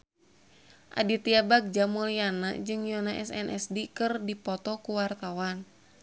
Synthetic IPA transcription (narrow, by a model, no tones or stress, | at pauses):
ʔa̰dit̪iabaɡ̚d͡ʒamuliana̰d͡ʒɨŋjɔnaʔɛsɛ̰nʔɛsdikɨrdipɔt̪ɔkuwart̪awan